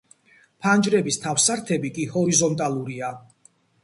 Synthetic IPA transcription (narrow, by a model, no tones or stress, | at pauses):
pʰand͡ʒɾɛbist̪ʰafsaɾt̪ʰɛbikʼihɔɾizɔnt̪ʼalˠuɾia